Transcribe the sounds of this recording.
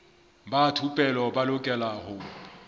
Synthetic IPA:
batʰupʼɛlɔbalʊkʼɛlahʊ

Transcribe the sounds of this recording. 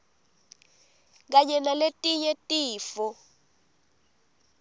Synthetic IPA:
k̬aɲɛnaletʼiɲɛtʼiːfɔ

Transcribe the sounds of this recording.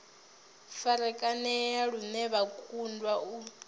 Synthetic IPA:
faɾɛkʼanɛjaɺumɛβakʰundwau

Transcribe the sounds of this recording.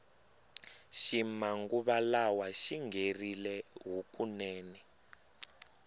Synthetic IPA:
ʃimaŋɡuβalawaʃiŋɡerilɛɦukunɛːnɛ

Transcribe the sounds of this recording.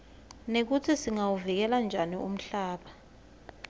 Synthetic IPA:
nek̬utʰisiŋawuvik̬ɛland͡ʒʱanium̩ɬaːɓa

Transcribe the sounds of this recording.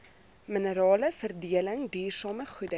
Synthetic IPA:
mənəɾɑːləfərdiələŋdyːrsɑːməχudə

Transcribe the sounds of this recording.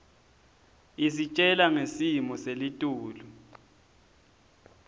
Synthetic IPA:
isit͡ʃʼɛlaŋesimɔselitʼuːlu

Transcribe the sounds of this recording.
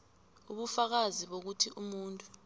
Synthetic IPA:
uɓufak̬aziɓok̬utʰiʔumuːntʼu

